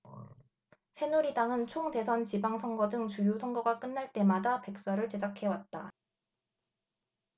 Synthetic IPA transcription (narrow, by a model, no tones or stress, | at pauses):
sʰe̞nuɾidaŋɯnt͡ɕʰoŋde̞sʰʌnt͡ɕibaŋsʰʌŋɡʌdɯŋt͡ɕujusʰʌŋɡʌɡak͈ɯnːaɭt͈e̞madape̞k̚s͈ʌɾɯɭt͡ɕe̞d͡ʑakʰe̞wat̚t͈a